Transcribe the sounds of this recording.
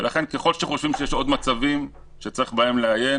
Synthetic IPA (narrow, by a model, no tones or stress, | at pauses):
velʔaχe̞nke̞χo̞lʃeχo̞ʃvimʃejeʃo̞dmat͡savim | ʃet͡saʁiχbae̞mleaje̞